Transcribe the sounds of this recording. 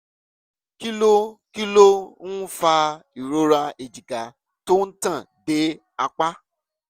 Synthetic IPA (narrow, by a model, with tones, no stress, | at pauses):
ki˦lo˦ki˦lo˦ñ̩˦fa˧i˨ɾo˦ɾa˧e˨d͡ʒi˨ka˨ | to˦n̩˦tã˦˨ | de˨˦ | a˧k͡pa˦